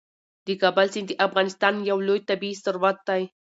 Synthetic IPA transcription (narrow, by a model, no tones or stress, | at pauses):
d̪ɪkabalsɪnd̪iʔafɣɑnɪst̪ɑnjawlojt̪abisaɾwat̪ːaj